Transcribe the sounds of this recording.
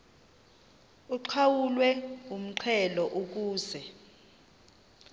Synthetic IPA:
uǃʰawulwɛum̩ǀʰɛlɔʔok̬uːzɛ

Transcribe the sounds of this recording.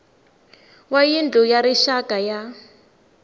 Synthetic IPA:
wajind͡ɮʱujaɾiʃakʼaja

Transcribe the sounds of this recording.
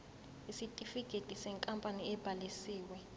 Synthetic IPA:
isitʼifiɡ̥ʱetʼisɛŋkʼampʼaniɛb̥ʱalisiːwɛ

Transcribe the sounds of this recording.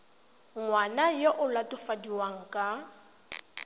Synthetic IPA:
ŋwanajoʔʊlatʼʊfadiwaŋ̩kʼa

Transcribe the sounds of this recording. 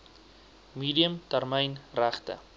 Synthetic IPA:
miːdiəmtærməjnræχtə̰

